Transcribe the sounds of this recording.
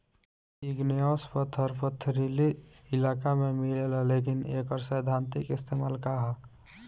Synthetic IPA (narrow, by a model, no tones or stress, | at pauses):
iɡnijoːspət̪ʰəɾpət̪ʰːɾiliɪlaːkamẽmilelalekinḛːkɔɾsəjd̪ʱaːnt̪ikɪst̪emaːlkaɦ